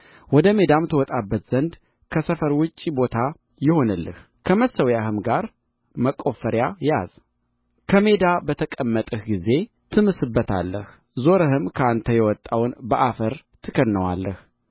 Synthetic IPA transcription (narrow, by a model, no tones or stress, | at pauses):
wɔd̪əme̞d̪amt̪ʰəwɔt̪ʼabːət̪z̥ənd̪ | kʰəsəfəɾwʊt͡ʃʼːibo̞t̪ʰa | jɪho̞nɨlːɨ̰h | kʰəməsəwjahɨmɡaɾ | məkʼːo̞fəɾjaja̰z̥ | kʰəme̞d̪abət̪ʰəkʼəmːət̪ʼəhɡize̞ | t̪ʰɨmɨsɨbːət̪ʰa̰lːəh | zo̞ɾəɦɨmkʰəant̪ʰəjɛwɔt̪ʼːawnbəʔafəɾt̪ʰɨkʰəd̪nəwa̰lːəh